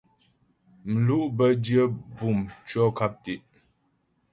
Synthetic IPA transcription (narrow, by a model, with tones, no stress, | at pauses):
m̩˨lu˦ʔbə˦djə˦bu˨mt͡ʃɔ˦ka˦p̚ti˨ʔ